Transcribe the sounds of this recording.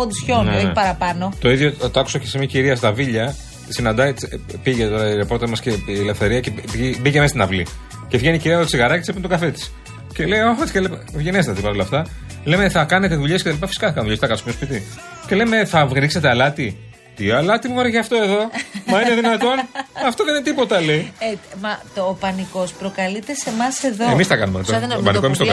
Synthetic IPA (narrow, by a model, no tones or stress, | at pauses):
ond̪isçoneepɐɾɐpɐnot̪o̞iðʝot̪oɐku̥sɐcesemɲɐciɾiɐs̬t̪ɐviʎɐ | sinɐnd̪ɐpiʝet̪o̞ɾɐiɾepo̞ɾt̪emɐsceːlefθe̞ɾiɐceibicemest̪inɐvli | cevʝeniciɾiɐot̪siɣɐɾɐcet̪sepent̪oɡɐfet̪i̥s | ce̞lejoot̪iscelepvʝe̞neset̪ɐt̪ipɐɾolɐft̪ɐ | le̞me̞θɐkɐne̞t̪eðuʎesket̪ɐlipɐfi̥si̥kɐθɐkɐnðuʎesθɐkɐsmnospit̪i | ce̞le̞me̞θɐvɣɾikse̞t̪ealɐt̪i | t̪iɐlɐt̪imuvoɾeçeɐft̪o̞e̞ðo̞mɐineðinɐt̪o̞nɐft̪oðeninet̪ipo̞t̪ɐleimɐtopɐniko̞spɾokɐlit̪ese̞mɐseðoemist̪ɐkɐnumet̪oopɐniomistok